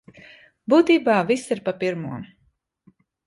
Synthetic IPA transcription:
buːt̪iːbaːvisiɾpapiɾmuɔm

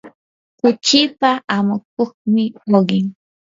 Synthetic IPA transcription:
kʊt͡ʃɪpaʔamʊk̚oχmɪoɢɪŋ

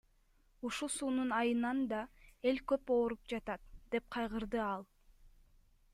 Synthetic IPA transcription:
uʃusuːnunɑjɯnɑnd̪ɑe̞lkøpo̞ːɾup̚d͡ʒɑt̪ɑt̪d̪e̞p̚qʰɑjʁɯɾd̪ɯɑlˠ

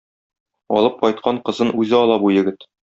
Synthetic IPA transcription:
ɒ̰lˠɤp̚qɒjt̪̚qɑɴqɤ̆zɤnʉzɘɒlˠɑbujɘ̆ɡɘt̪

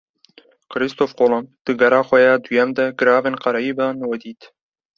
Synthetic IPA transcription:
kɾist̪oːfqoːlomd̪̥ɨɡɐɾɑːxʷɛjɑːd̪ujɛmd̪ɛɡɨɾɑːveːnqɑɾɛjiːbɑːnwɛd̪iːt̪

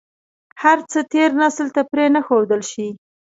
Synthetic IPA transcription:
haɾt͡sət̪eɾnaslt̪apɾenaxod̪əlʃi

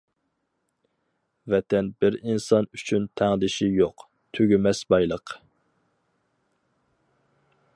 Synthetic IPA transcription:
vɛt̪ʰɛnbɪɾinsɑnyt͡ʃʰynt̪ʰæŋd̪ɪʃijoq | t̪ʰøɡʲymɛsbɑjlˠəq

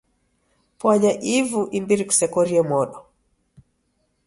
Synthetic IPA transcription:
pwaʄaʔivuʔimbiɾiku̥sɛkɔɾiɛmwɔɗɔ

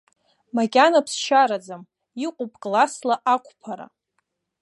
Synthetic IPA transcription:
makʲʼanapʰsʃaɾad͡zam | iqʷʼupʼkʼlaslaʔakʷʰʼpʰaɾa̰

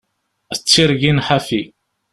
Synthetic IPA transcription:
t͡sːiɾʝinħafi

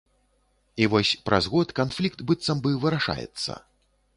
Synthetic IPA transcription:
ivɔsʲpɾazɣɔt̪kanflʲikt̪bɨt̪sɐmbɨvɨɾaʂa̰jɛ̰t̪sːɐ̰

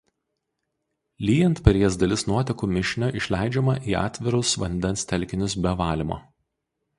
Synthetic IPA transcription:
lʲiːjɛnt̪pʲɛɾʲiɛs̬d̪ɐlʲɪsnuɔt̪ʲɛkuːmʲɪʃʲnʲoʔɪʃʲlʲæɪd͡ʒʲɛmɐʔiːɑ̰ːt̪ʲʋʲɪɾʊsʋɐ̰nʲd̪ʲɛnst̪ʲɛlʲkʲɪnʲʊsbʲɛʋɑːlʲɪmo̰ː

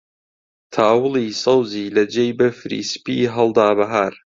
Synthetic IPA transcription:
t̪ʰaːwɨlˠisɑwziːlɐd͡ʒejbɐfɾḭːspiɦɐlˠd̪aːbɐɦaːɾ

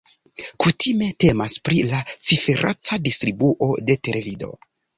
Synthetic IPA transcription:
kutʰime̞te̞maspɾilat͡sife̞ɾʔa̰t͡sadistɾibuʔo̞de̞te̞le̞vido̞̰

